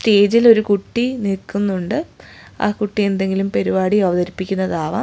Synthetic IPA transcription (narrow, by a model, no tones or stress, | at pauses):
ste̞ːd͡ʑilo̞ɾukuʈːinilkːunːuɳɖɨ | a̰ːkuʈːije̞nd̪e̞ŋɡilumpeɾubaːɽiɐʋɐðɐɾipːikʲːunːɐðaːʋɐ̰